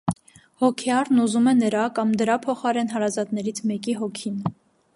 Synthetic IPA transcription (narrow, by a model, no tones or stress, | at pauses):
hɔkʰɛɑɾnuzumɛnəɾɑkɑmd̪əɾɑpʰɔχɑɾɛnɦɑɾɑzɑt̪nɛɾit͡sʰmɛkiɦɔkʰin